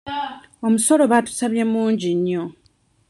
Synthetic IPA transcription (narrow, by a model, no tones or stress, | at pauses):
omuso̞lo̞βatu̥saβjemuːɲɟiɲːo